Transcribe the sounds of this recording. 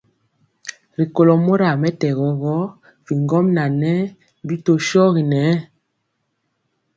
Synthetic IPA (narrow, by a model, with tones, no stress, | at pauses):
ɾi˨ko˨lɔ˨mo˦ɾa˨mɛ˦tɛ˨ɣɔ˨ɣɔ˦ | vi˨ŋɡɔ˦mna˨nɛ˦ | bi˦to˦ʃɔ˦ɣi˨nɛ˨˦